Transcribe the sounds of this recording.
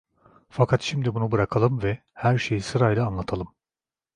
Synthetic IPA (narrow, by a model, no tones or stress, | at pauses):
fakʰat̪ʃimd̪ibunubɯɾakʰalˠɯmvɛ | hæɾʃe̞jisɯɾajlʲˠaːnlˠat̪ʰalˠɯm